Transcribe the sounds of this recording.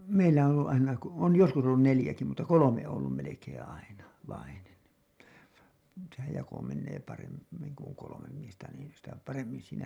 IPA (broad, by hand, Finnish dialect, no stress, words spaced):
meilːæ on olːu ʔɑinɑ ko on joskus olːun nelĭjæki mutːɑ kolome oː olːum melekẽː ɑinɑ ʋɑinen sehæj jɑko menːeː pɑrem miŋ ku oŋ kolomem miestæ niːn sitæ pɑremːin siːnæ